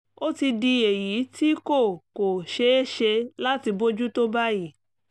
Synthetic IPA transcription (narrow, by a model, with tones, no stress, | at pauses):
o˦ti˧di˧e˨ji˨˦ti˦ko˦˨ko˨ʃe˧˦e˦ʃe˧la˦ti˧bo˦d͡ʒu˦to˦ba˦ji˦˨